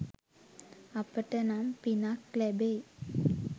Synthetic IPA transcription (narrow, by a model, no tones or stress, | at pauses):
apəʈənampinaklɛbeː